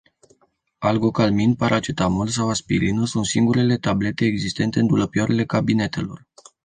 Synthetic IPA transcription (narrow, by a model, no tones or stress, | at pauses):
alɡo̞kalminpaɾʔat͡ʃet̪amuls̬awaspilinəsunt̪siŋɡuɾe̞le̞t̪able̞t̪e̞ːɡzist̪e̞nt̪e̞ɨnd̪uləpiaɾele̞kabine̞t̪e̞lo̞̰r